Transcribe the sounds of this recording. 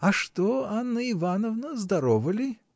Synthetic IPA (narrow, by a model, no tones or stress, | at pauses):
ɐʂt̪oanːəɪvanəvnəzd̪ɐɾovəlʲɪ